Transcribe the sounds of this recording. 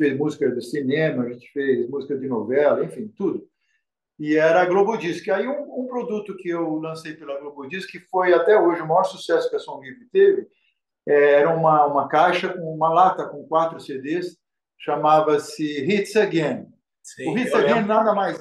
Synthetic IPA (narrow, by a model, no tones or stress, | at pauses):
fejzmuzikɐd̪ɪsinẽmɐʒẽt͡ʃɪ̥fejzmuzikɐd̪ɪnovɛlɐẽfĩj̃t̪ud̪ʊ | ɪɛɾɐɡlobod͡ʒiskɪaiũũpɾod̪ut̪ʊkɪewlɐ̃sejpelɐɡlobod͡ʒiskɪfojat̪ɛoʒɪʊmajɔɾsu̥sɛsʊ̥kɪɐsõhipɪt̪evɪ | ɛɛɾɐũmɐũmɐkajʃɐkõũmɐlat̪ɐkõkwat̪ɾʊsed̪es | ʃamavɐsɪɦit̪seɡẽn | sʊhiseɡẽnnad̪ɐmajz